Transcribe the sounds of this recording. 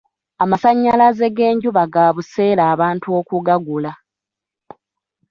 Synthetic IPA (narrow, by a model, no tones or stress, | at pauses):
amasaɲːalaze̞ɡe̞ːɲɟuβaɡaːβuse̞ːɾaːβaːntuo̞ːkuɡaɡula